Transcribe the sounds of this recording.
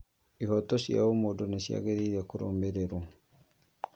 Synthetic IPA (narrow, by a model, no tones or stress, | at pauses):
ihɔtɔʃja̰omodonaʃja̰ɣeɾiɾekoɾo̰ːmbeɾeɾwa